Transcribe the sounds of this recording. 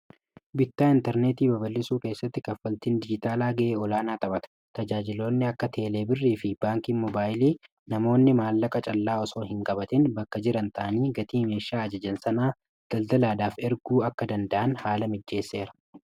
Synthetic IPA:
bɪt̪ːaːɪnt̪ɛɾneːt̪iːbɐbɐlːɪsuːke̞ːsːɐt̪ːɪkɐfːɐlt̪iːnd̪ɪd͡ʒɪt̪aːlaːɡɐʔeːɔlaːnaːt̪ʼɐbɐt̪ɐ̥t̪ɐd͡ʒaːd͡ʒɪlo̞ːnːɪɐkːɐt̪ʰe̞ːle̞ːbɪrːiːfɪbaːŋkiːmɔbaːjɪliː | nɐmo̞ːnːɪmaːlːɐkʼɐt͡ʃʼɐlːaːɔso̞ːɦɪŋkʼɐbɐt̪ɛnbɐkːɐd͡ʒɪɾɐnt̪ɐʔɐniːɡɐt̪iːme̞ːʃːaːɐd͡ʒɐd͡ʒɐnsɐnaː | d̪̥ɐld̪ɐlaːd̪aːfɛɾɡuːɐkːɐd̪ɐnd̪ɐʔɐnhaːlɐmɪd͡ʒːe̞ːsːe̞ːɾɐ̥

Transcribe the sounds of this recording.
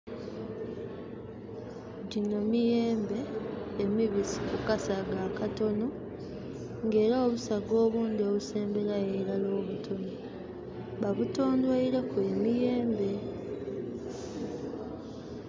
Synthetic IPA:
ɟino̞mije̞ːmbe̞ːmiβisi̥kukasaɡakato̞no̞ | ŋɡe̞ːɾoːβusaɡo̞ːβuːnd̪io̞βuse̞ːmbe̞ɾaeɾalo̞ːβutʰo̞no | βaβuto̞ːndwaiɾekweːmije̞ːmbe̞

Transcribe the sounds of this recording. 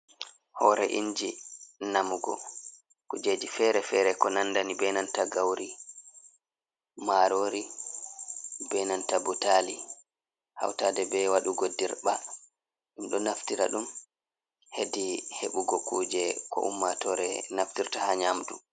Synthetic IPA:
hɔɾɛʔind͡ʒinamuɡɔ̰ | kud͡ʒeːd͡ʒifɛɾɛfɛɾɛkɔnanːdanibɛnantaɡawɾi | maɾoɾi | bɛnantabutali | ha̰wtaːdɛbɛwaɗuɡɔdiɾɓa | ɗumɗɔnaftiɾa̰ɗum | hediheɓuɡɔkuːd͡ʒɛkɔ̰ʔṵmːatɔɾɛnaftiɾtahaɲamdu

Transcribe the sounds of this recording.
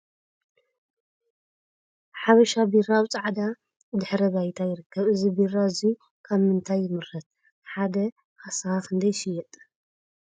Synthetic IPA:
ħaβɐʃabirawt͡sʼaʕd̪a | d̪ɨħɾɐbajt̪ʰajɪɾɨkːɐβʔɨzibiraɨzi | kʰaβmɨnt̪ʰajːɪmɨɾːɐt̪̚ | ħad̪ɐ | kʰasahakɨnd̪ɐjʃɪjːɛt̪ʼ

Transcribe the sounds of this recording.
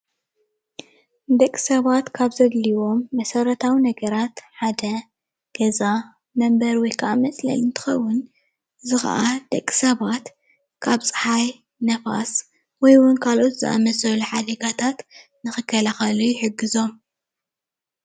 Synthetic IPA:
d̪ɐkʼisɐβat̪kʰaβzɐɡliwo̞mːɐsɐɾɐt̪ʰawinɐɡɐɾat̪ħad̪ɐ | ɡ̥ɐza | mɐmbɐɾwɔjkʰɐʔamɐt͡sʼlɐ̰lɨnt̪ʰɨ̥xɐ̰wːʊn | zɨxɐ̰ʔad̪̥ɐkʼi̥sɐβat̪ | kʰaβt͡sʼɨ̥ħaj | nɐfa̰s | wɔjwʊnkʰalʔo̞t̪z̥ɨ̰ʔa̰mɐsɐluħad̪ɐɡat̪ʰat̪ | nɨxɨkʰːɐlaxɐlujɪħɨɡːɨzo̞m

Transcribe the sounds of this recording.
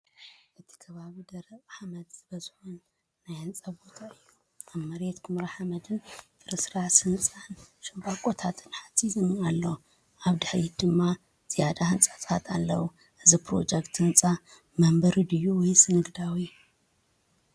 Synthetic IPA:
ʔɨt̪ʰi̥kʰɐβaβid̪ɐɾɐɣʼħamɐd̪z̥ɨβɐzħunː | ajhɨnt͡sʼabo̞t̪ʰaɨjːu | ʔaβmɐɾet̪kʰɨmɾaħamɐd̪ɨnt̪ʰɨɾɨsɾasɨnt͡sʼanʃɨmbakʼot̪ʰat̪ʰɨnħat̪ʰizɨnalːo | ʔaβd̪ɨħɾid̪̥ɨmːa | z̥ijad̪ahɨnt͡sʼḁt͡sʼat̪ʰalːɐ̰wu | ʔɨzipɾo̞̰d͡ʒekt̪hɨnt͡sʼa | mɐmbɐɾɨd̪ɨjːuwɔjsɨnɨɡd̪awi

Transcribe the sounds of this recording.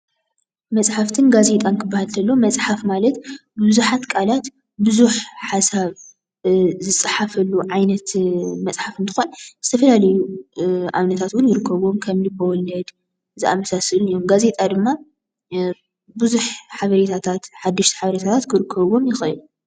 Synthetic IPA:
mɐsʼħaft̪ʰɨnɡaze̞t̪ʼankʰɨbːahalt̪ʰɐlːomɐsʼħafmalɐt̪bɨbɨzuħat̪kʼalat̪ | bɨzuħħasaβ | zɨsʼɨħafɐlːuʕajnɐt̪mɐsʼħafɨnt̪ʰɨ̥xonz̥ɨt̪ʰɐfɐlalɐjuʔa̰βnɐt̪ʰat̪wʊnjɪɾɨkʰːɐβo̞mkʰɐmlɨbɐwɔlːɐd̪ | zɨʔa̰mɐsasɨlunjomɡaze̞t̪ʼad̪ɨmːa | bɨzuħħaβɐɾet̪ʰat̪ʰat̪ħad̪ːɨʃt̪i̥ħaβɐɾet̪ʰat̪ʰat̪kʰɨɾɨkʰːɐβo̞mjɪxɐl

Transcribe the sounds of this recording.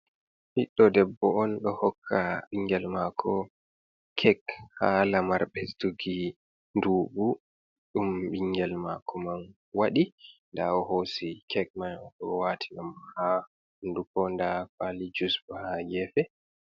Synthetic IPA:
hiɗːɔdɛbːɔɔnɗɔhɔkʰːaɓiŋɡɛlmakʰɔ | kʰɛkhalamaɾbɛsduɡi | nduːɓu | ɗumɓiŋɡɛlmakʰɔman | waɗindaɔhosikʰɛk̚manɔɗɔwatʰi̥namha | ndukɔndafalid͡ʒusbahajɛfɛ

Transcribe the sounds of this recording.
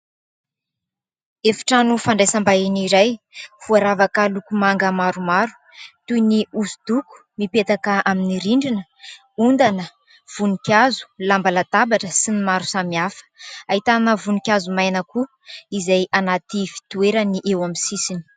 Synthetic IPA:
efi̥ʈ͡ʂanufaɳɖ͡ʐajsambainiɾaj | fuaɾavakalukumaŋɡəmaɾumaɾu̥ | t̪ujniuzud̪uku̥mipet̪akaaminiɾiɳɖ͡ʐinə | und̪anə | v̥unikʲazu̥lambalat̪abaʈ͡ʂəsinimaɾu̥samiafə̥aɦit̪anəvunikʲazumajnəku | izajanat̪ifi̥t̪ueɾəniʔewaminsisini̥

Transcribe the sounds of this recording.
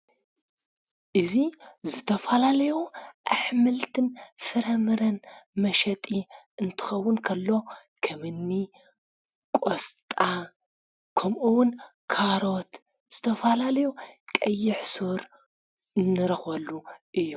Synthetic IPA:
ʔɨzizɨt̪ʰɐfɐlalɐjuʔaħmɨlt̪ʰɨnfɨɾɐmɨɾɐnmɐʃɐt̪ʼiʔɨnt̪ʰɨ̥xɐwːʊnkʰɐlːo̞ | kʰɐmɨnːi | kʼost̪ʼa | kʰɐmʔuwʊn | kʰaɾo̞t̪ | z̥ɨt̪ʰɐfalalɐjukʼɐjːɪħsuɾ | ɨnːɨɾɐxwɐlːuʔɨjːo

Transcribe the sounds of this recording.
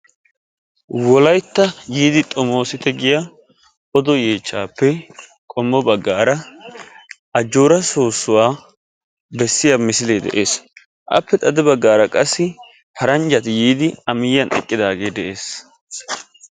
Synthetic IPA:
wɔlɐjt̪ːɐjiːd̪ɪt̪ʼɔmo̞ːsɪt̪ɛɡɪjɐ | ɔd̪ɔjeːt͡ʃːaːpːɛ | kʼɔmːɔbɐɡːaːɾɐ | ʔɐd͡ʒːoːɾɐsoːsʊwaː | bɛsːɪjamɪsɪleːd̪ɛ̰ʔeːs | ʔɐ̰pːɛt̪ʼɐd̪ɪbɐɡːaːɾɐkʼɐsːɪ | pʰɐɾɐnd͡ʒɐt̪ɪjiːd̪ɪɐmɪjːɐnʔɛ̰kʼːɪd̪aːɡe̞ːd̪ɛʔeːs

